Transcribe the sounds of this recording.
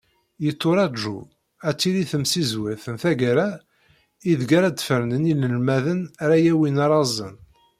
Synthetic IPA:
jət̪ˤːoɾˤɑʒṵ | æt͡sːiliθəmsizwæθənθæɡaɾa | iðɡaɾad̪fəɾnəniləlmæðənɾajæwinɑɾˤɑzˤə̰n

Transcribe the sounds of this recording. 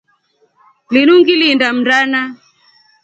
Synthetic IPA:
linuŋɡilindam̩dana

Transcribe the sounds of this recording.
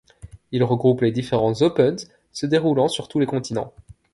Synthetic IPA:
ilʁəɡʁupled̪ifeʁɑ̃zopœn | səd̪eʁulɑ̃syʁt̪ulekɔ̃t̪inɑ̃

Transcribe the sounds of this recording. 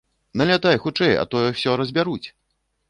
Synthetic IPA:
nɐlʲat̪ajxut͡ʂɛjɐ̰t̪ɔjɛwsʲɔɾɐzʲbʲaɾut͡sʲ

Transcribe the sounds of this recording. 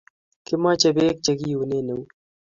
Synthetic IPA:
kimãːt͡ɕɐbeːk̚t͡ɕɐɡiːuneːnɐu

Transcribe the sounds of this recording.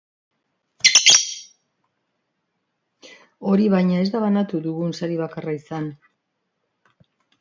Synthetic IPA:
o̞ɾiβajɲae̞zd̪aβanat̪uðuɣunsaɾiβ̞akaraisan

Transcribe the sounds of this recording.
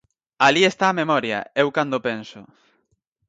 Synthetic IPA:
aliest̪aːmemɔɾjɐ̰ewkand̪opensʊ

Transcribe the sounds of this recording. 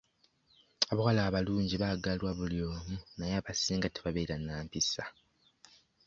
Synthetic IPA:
aβawalaːβaluːɲɟiβaɡalwaβuljo̞ːmunajeaːβasiːŋɡateβaβe̞ːɾanːaːmpisa

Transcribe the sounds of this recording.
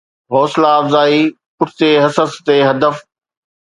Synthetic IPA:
ɦɔːslaːfzaːiː | pʊʈʰɪ̥t̪eːɦɐsəst̪eːɦɐd̪əf

